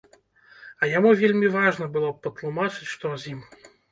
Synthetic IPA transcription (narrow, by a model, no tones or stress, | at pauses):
ɐjamuvʲelʲmʲivaʐnɐbɨlˠɔpɐt̪lˠumat͡ʂɨt͡sʲʂt̪ɔzʲim